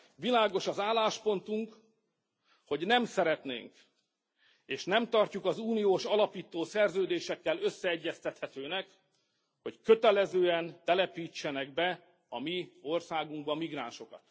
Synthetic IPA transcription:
vilaːɡo̞ʃɒzaːlːaːʃpo̞nt̪uŋk | ho̞ɟnɛmsɛɾɛt̪nḛːŋk | eːʃnɛmt̪ɒrcukɒzuːnijoːʃɒlɒpiːt̪oːsɛrzøːd̪eːʃɛkːɛlø̞sːɛɛɟːɛst̪ɛt̪hɛt̪øːnɛk | ho̞ckø̞t̪ɛlɛzøːɛnt̪ɛlɛpiːt͡ʃːɛnɛɡ̚bɛ | ɒmio̞rsaːɡuŋɡbɒmiɡraːnʃo̞kɒ̰t̪

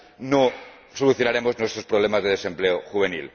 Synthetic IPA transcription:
no | soluθjonaɾe̞moznwe̞st̪ɾospɾoβle̞mazðeð̞e̞se̞mpleoxuβ̞e̞nḭl

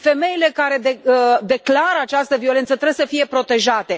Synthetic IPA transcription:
fe̞me̞ile̞kaɾe̞d̪ed̪e̞klaɾəat͡ʃast̪əvio̞le̞nt̪sət̪ɾebsəfije̞pɾo̞t̪e̞ʒat̪e̞

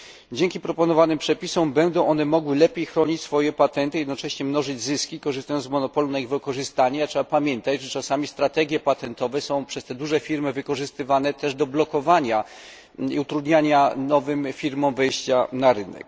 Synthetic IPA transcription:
d͡ʑeŋkʲipɾɔpɔnɔvanɘmpʂɛpʲisɔ̃w̃bɛnd̪ɔ̃w̃ʔɔn̪ɛmɔɡwɘlɛpʲjejxɾɔɲit͡ɕʲsfɔjɛpat̪ɛnt̪ɨjɛd̪nɔt͡ʂɛɕɲɛmnɔʐɘd͡ʑzɘskʲikɔʐɨst̪ajɔnzmɔnɔpɔlunaiɣvɨkɔʐɘst̪aɲɛatʂɛbapamʲjɛnt̪ad͡ʑʐɛt͡ʂasamʲist̪ɾat̪ɛɡʲjɛpat̪ɛnt̪ɔvɛsɔ̃w̃pʂɛst̪ɛd̪uʐɛfʲiɾmɘvɘkɔʐɘst̪ɘvan̪ɛt̪ɛʐd̪ɔblɔkɔvaɲa | ḭut̪ɾud̪ɲaɲanɔvɘmfʲiɾmɔ̃w̃vɛjɕt͡ɕanaɾɘnɛ̰k

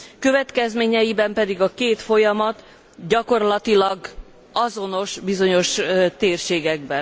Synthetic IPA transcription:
kø̞vɛt̪kɛzmeːɲɛjibɛmpɛd̪iɡɒkeːt̪fo̞jɒmɒt̪ | ɟɒko̞rlɒt̪ilɒɡ | ɒzo̞no̞ʃbizo̞ɲo̞ʃt̪eːrʃeːɡɛɡ̚bɛn

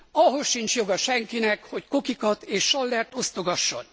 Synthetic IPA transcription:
ɒɦo̞sʃint͡ʃjo̞ɡɒʃɛŋkinɛkho̞cko̞kikɒt̪eːʃʃːɒlːɛrt̪o̞st̪o̞ɡɒʃːo̞̰n

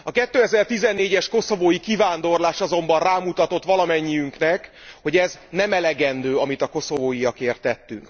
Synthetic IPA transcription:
ɒkɛt̪ːøːɛzɛrt̪izɛnːeːɟɛʃko̞so̞voːjikivaːnd̪o̞rlaːʃɒzo̞mbɒnraːmut̪ɒt̪o̞t̪ʋɒlɒmɛɲːijyŋknɛk | ho̞ɟɛznɛmɛlɛɡɛnd̪øːɒmit̪ɒko̞so̞voːjijɒkeːrt̪ːɛt̪ːy̰ŋk

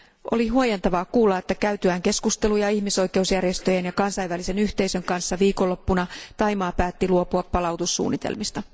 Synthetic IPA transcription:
ʔo̞̰liɦuojent̪ɑʋɑːkuːlːɑe̞t̪ːækæyt̪yæːŋke̞skust̪e̞lujɑihmiso̞jke̞usjærje̞st̪ø̞jenjɑkɑnsɑiʋʋælise̞nyht̪e̞isø̞ŋkɑnsːɑʋiːkolːo̞pːunɑt̪ɑjmɑːpæːt̪ːiluo̞puɑpːɑlɑwt̪usːṵːnːit̪ḛlmist̪ɑ

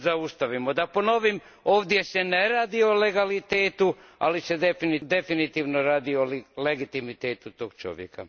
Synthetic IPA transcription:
zaust̪aʋimod̪apo̞no̞ʋim | o̞ːʋd̪je̞se̞ne̞ɾaːd̪iole̞ɡalit̪eːt̪ua̰lise̞d̪e̞finid̪e̞finit̪iːʋno̞ɾaːd̪iolleɡit̪imit̪eːt̪ut̪oːɡ̥t͡ʃo̞̰ʋjḛka̰

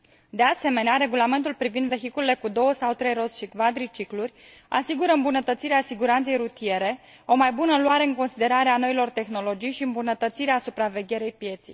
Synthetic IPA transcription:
d̪e̞ase̞me̞neaɾe̞ɡulame̞nt̪ulpɾivind̪ve̞xikulele̞kud̪o̞wəsawt̪ɾe̞jɾo̞t̪sʃikvad̪ɾit͡ʃiklurʲ | a̰siɡuɾəɨmbunət̪ət̪siɾeasiɡuɾant̪se̞jɾut̪ije̞ɾe̞ | o̞majbunəluaɾe̞ɨŋko̞nsid̪e̞ɾaɾeano̞ilo̞rt̪e̞xno̞lo̞d͡ʒijʃiɨmbunət̪ət̪siɾeasupɾave̞ɡʲe̞ɾejpje̞t̪sij

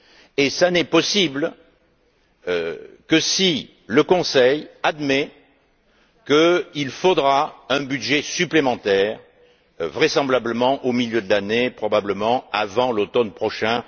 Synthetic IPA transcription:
esanɛpɔsibl | kəsi | ləkɔ̃sɛjad̪mɛ | kəilfod̪ʁaɛ̃bydʒesyplemɑ̃t̪ɛʁ | vʁesɑ̃blabləmɑ̃ʔomiljød̪əlanepχɔbabləmɑ̃avɑ̃lot̪ɔnpχɔʃɛ̃

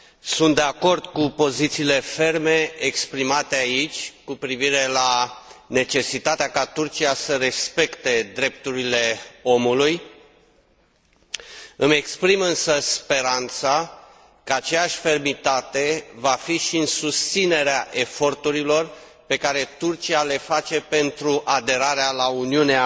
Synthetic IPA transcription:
sunt̪d̪e̞ako̞rd̪̥kupo̞zit̪siːle̞fe̞rme̞ekspɾimat̪e̞ait͡ʃʲkupɾiviɾe̞lane̞t͡ʃe̞sit̪at̪eakat̪urt͡ʃijasəɾe̞spe̞kt̪e̞d̪ɾe̞p̚t̪uɾile̞o̞muluj | ɨme̞kspɾimɨnsəspe̞ɾant̪sa | kəat͡ʃe̞jaʃʲfe̞rmit̪at̪e̞vafiʃiɨnsust̪sine̞ɾeaʔe̞fo̞rt̪uɾilo̞r | pe̞kaɾe̞t̪urt͡ʃiale̞fat͡ʃe̞pe̞nt̪ɾuʔad̪e̞ɾaɾealauniunea

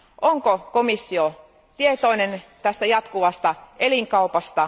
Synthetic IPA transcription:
ʔoŋkokomisːio | t̪iet̪oinent̪æst̪æjɑt̪kuʋɑst̪ɑeliŋkɑupɑst̪ɑ

